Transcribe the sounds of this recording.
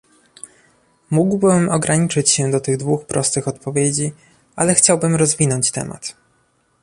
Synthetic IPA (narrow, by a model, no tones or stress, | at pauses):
muɡwbɘmɔɡɾaɲit͡ʂɘt͡ɕɕɛd̪ɔt̪ɘɣd̪vuxpɾɔst̪ɘxɔt̪pɔvʲjed͡ʑi | alɛxt͡ɕawbɘmɾɔzvʲinɔɲt͡ɕt̪ɛ̰ma̰t̪